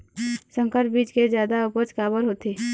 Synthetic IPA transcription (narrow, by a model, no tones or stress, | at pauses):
sə̃ŋkəɾʈ̚biːd͡ʒked͡ʒjaːd̪aʊpət͡ʃkaːbəɾɦoːt̪iː